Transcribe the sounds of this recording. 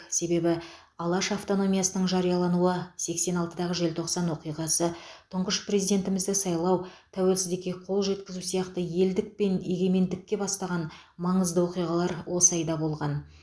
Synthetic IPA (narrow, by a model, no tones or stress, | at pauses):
se̞be̞bɪ | ɑlˠɑʃaft̪o̞no̞mʲijɑsənəɴʒɑɾijɑlˠɑnuəse̞kse̞nɑlˠt̪əd̪ɑʁəʒe̞lt̪ʰo̞qsɑnwo̞qijʁɑsət̪ʰʊɴqəʃpre̞zijd̪e̞nt̪ɪmɪzd̪ɪsɑjlˠɑwt̪ʰæwe̞lsɪzd̪ekʲeqʰo̞lˠʒe̞t̪kʲɪzusijɑqt̪əje̞ld̪ɪk̚pe̞ne̞ɡʲe̞me̞nd̪ɪkʲːe̞bɑst̪ɑʁɑnmɑɴəzd̪əwo̞qijʁɑlˠɑɾwo̞səɑjd̪ɑbo̞lˠʁɑn